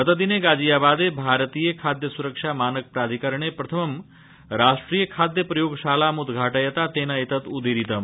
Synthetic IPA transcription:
ɦɐt̪əd̪ineɡaːd͡ʒijabaːd̪ebʱaːɾət̪ijekʰaːd̪jəsuɾəkʂamaːnək̚pɾaːd̪ʱikɐɾəɳ̃epɾɐt̪ʰəmɐm | ɾaːsʈɾijəkʰaːd̪jəpɾɐjoːɡʃaːlamud̪ɡʱaːʈəjɐt̪at̪eːnɐet̪ɐt̪ud̪iɾit̪əm

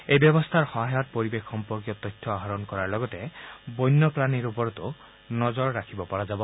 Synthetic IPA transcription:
ejbjɔbɔst̪ʰaɹxɔɦajɔt̚poɹibekxɔmpɔɹkjɔt̪ɔjtʰːɔaɦaɾɔnkɔɹaɹlɔɡɔtebɔjnːɔplaniɾupɔɾɔt̪u | nɔzɔɹːakʰibɔpɔɹad͡ʒabɔ

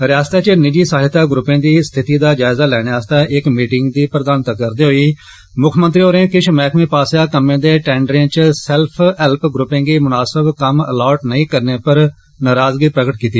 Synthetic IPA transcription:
ɾɪaːst̪aːt͡ʃənɪd͡ʒiːsaːɦɪt̪aːɡɾʊpːẽːd̪iːst̪ʰɪt̪iːd̪aːd͡ʒaːɪzaːlɛːɽ̃eaːst̪aːʔɪkmiːʈɪŋɡd̪iːpɾəd̪aːnt̪aːkəɾd̪eːɦoːiː | mʊkʰmənt̪ɾiːoːɾẽːkɪʃmɛːkʰmẽːpaːsjaːkəmẽːd̪eːʈɛ̃ːɳɖɾẽːt͡ʃsɛlpʰɛlpɡɾʊpːẽːɡiːmʊnaːsəbkəmə̰lɔːʈnəĩːkəɾneːpəɾ | naːɾaːzɡiːpɾəɡəʈkiːt̪iː

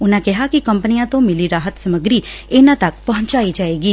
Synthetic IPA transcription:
ʊnãːkɛɦakikəmpənijãt̪õmɪliɾaːɦət̪səməɡɾienãt̪ɐkpɐɦʊ̃ɲt͡ʃaːid͡ʒaːeːɡiː

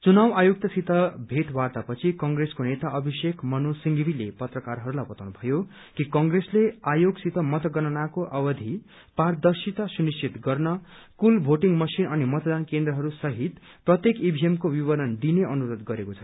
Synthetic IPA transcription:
t͡sunawajok̚t̪asit̪ʌbʱeʈwart̪apʌt͡sʰikʌŋɡreskonet̪aʔʌbʱisekʰmʌnosiŋɡbilepʌt̪rʌkarɦʌɾulajbʌt̪awnubʱʌjo | kikʌŋɡresleajoɡsit̪ʌmʌt̪ʌɡʌnʌnakoʔʌwʌd̪ʱi | pard̪ʌrsit̪asunist͡sit̪ɡʌrnʌ | kulbʱoʈiŋmʌsinʌnimʌt̪d̪ankend̪rʌɦʌɾusʌɦit̪ | prʌt̪jekibʱiemkowiβʌɾʌnd̪ineʌnuɾod̪ɡʌɾekot͡sʰʌn

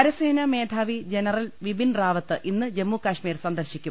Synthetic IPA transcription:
ɐɾɐseːnɐme̞ːd̪ʰʱaːʋid͡ʑenɐrɐlʋibʱinraːʋɐt̪ːɨʔinːɨd͡ʑe̞mːuːkɐʂmiːɾsɐnd̪ɐrɕikʲːum

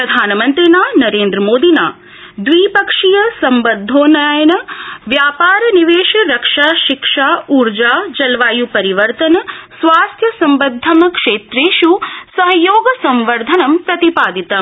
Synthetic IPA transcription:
ɾɐd̪ʱaːnɐmɐnt̪ɾinaːnɐɾeːnd̪ɾɐmoːd̪inaː | d̪ʋiːpɐkʂijɐsɐmbɐd̪ʱːoːnajɐnɐʋjaːpaːɾɐniʋeːʃɐɾɐkʂaːʃikʂaːuɾd͡ʒaːd͡ʒɐlʋaːjupɐɾiʋɐɾt̪ɐnɐsʋaːst̪ʰjɐsɐmbɐd̪ʱːɐmɐkʂeːt̪ɾeːʃusɐɦɐjoːɡɐsɐmʋɐɾd̪ʱɐnɐmpɾɐt̪ipaːd̪it̪ɐ

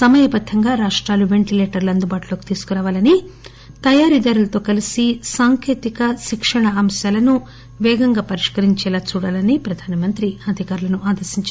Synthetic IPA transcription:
sɐmɐjɐbɐd̪ʱːɐŋɡaːɾaːʂʈɾaːluʋe̞ɳʈileːʈɐɾluɐnd̪ubaːʈulo̞ːki̥t̪iːsu̥kuɾaːʋaːlɐni | t̪ɐjaːɾid̪ɐɾulɐt̪o̞ːkɐlisisaːŋkeːt̪ikɐʃikʂɐɳɐɐmsjaːlɐnu | ʋɛːɡɐŋɡaːpɐɾiʂkɐɾiɲt͡ʃɛːlaːt͡ʃuːɽaːlɐnipɾɐd̪ʱaːnɐmɐnt̪ɾiɐd̪ʱikaːɾulɐnuaːd̪ɐɾʃiɲt͡ʃː

